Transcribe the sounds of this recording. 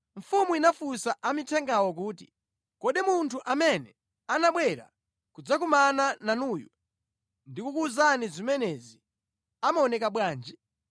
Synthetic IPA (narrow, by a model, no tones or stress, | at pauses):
ɱ̩fumuinafusaʔamitʰɛŋɡawɔk̬uːtḭ | kɔɗimuntʰuʔamɛnɛ̰ | anaɓwɛɾa̰ | kud͡zak̬umanananuːjɔ | ndikukuːzanizimɛnɛzi | amaɔnɛkaɓwaːnd͡ʒi